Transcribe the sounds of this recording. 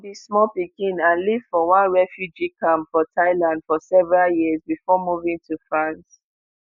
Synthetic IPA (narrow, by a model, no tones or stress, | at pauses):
bismɔlpikĩnãnliv̥fɔwãnɹɛfjud͡ʒikʰãmfɔtʰaɪlãndfɔsɛvəɹaljizbifɔmuvĩŋtʰufɹãns